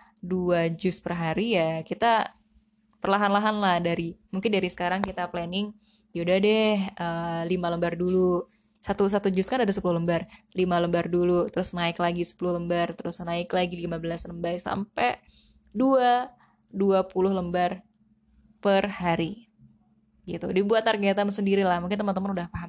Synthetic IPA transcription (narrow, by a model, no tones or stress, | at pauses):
duad͡ʒʊspərɦaɾijakit̪a | pərlaɦanlaɦanlahdaɾimuŋkɪndaɾisə̥kaɾaŋkit̪aplɛnɪŋ | jaudadɛhəlimaləmbardulu | sat̪us̬at̪ud͡ʒʊskanadasəpulʊhləmbar | limaləmbardulut̪əɾʊsnaɪklaɡisə̥pulʊhləmbart̪əɾʊsnaɪklaɡilimabəlasləmbajsa̰mpɛ | dua | duapulʊhləmbar | pərhaɾi | ɡit̪udibuat̪ːarɡɛt̪amsəndiɾilahmuŋkɪnt̪əmant̪̬əmənudahpaɦam